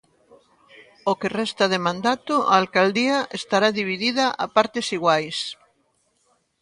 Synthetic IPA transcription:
okerɛst̪ɐð̞emãnd̪at̪ʊaːlkald̪iaʔest̪aɾaðiβiðiðaʔapaɾt̪esiɣwajs

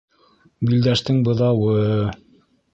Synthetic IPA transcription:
bild̪æʃt̪ɘŋbɤ̆ðɑwɤ

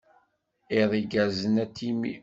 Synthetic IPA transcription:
iðˤiɡæzənæt̪ːimḭ

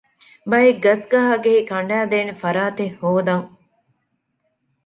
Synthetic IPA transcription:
bɐjeɡɐsɡɐɦaɡeɦikɐɳɖæːd̪eːnefɐɾaːt̪ehoːd̪ɐŋ

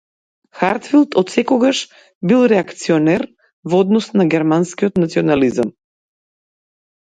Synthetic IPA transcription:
xaɾt̪filˠt̪ɔt̪sɛkɔɡaʃ | bilˠɾɛakt̪siɔnɛɾ | vɔd̪nɔsnaɡʲɛɾmanskiɔt̪nat̪siɔnalizam

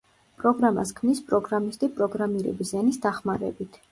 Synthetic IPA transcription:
pʼɾɔɡɾama̰s̬kʰmnispʼɾɔɡɾamist̪ʼipʼɾɔɡɾamiɾɛ̰bizanisd̪aχmaɾɛ̰bit̪ʰ

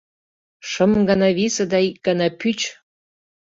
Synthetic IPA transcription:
ʃəmɡɑnɑβisə̆d̪ɑik̚ɡ̥ɑnɑpyt͡ɕ

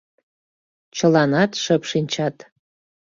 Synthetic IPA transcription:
t͡ɕəlɑnɑt̪ʃəpʃinʲt͡ɕɑt̪

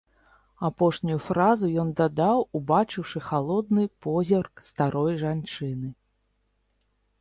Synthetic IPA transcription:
apɔʂnʲujufɾazujɔnd̪ad̪awubat͡ʂɨwʂɨxalˠɔd̪̚nɨpɔzʲɛrkst̪aɾɔjʐant͡ʂɨnɨ

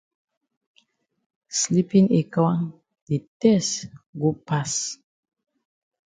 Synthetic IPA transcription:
slipĩŋekawã | ditɛsɡopas

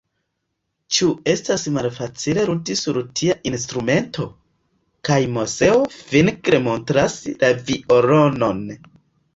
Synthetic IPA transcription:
t͡ʃue̞stasmalfat͡sile̞ɾutisuɾtʰiaʔinstɾume̞ntʰo̞ | kajmose̞ovinkɾemontɾaslavioɾono̞n

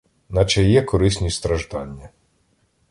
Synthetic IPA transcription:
nɐt͡ʃɛjɛkɔɾɪsʲnʲist̪ɾɐʒd̪ɑnʲːɐ

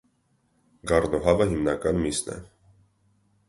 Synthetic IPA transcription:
ɡɑrnɔɦɑvəɦimnɑkɑnmisnɛ̰

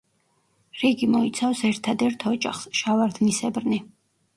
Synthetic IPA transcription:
ɾiɡimɔit̪sʰafsɛɾt̪ʰad̪ɛɾt̪ʰɔd͡ʒʼa̰χsʃavaɾd̪nisɛbɾni

